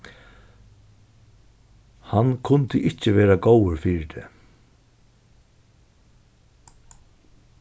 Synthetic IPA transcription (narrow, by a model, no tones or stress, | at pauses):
hankʰʊnt̪ɪʔɪt͡ɕɪʋɛːɾaɡowɪɾfiːɾɪd̪ʰɛ̰ː